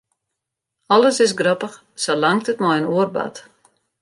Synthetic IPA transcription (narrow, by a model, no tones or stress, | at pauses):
ɔləsɪs̬ɡrɔpəx | solaŋk̚tətmɔjənuərba̰t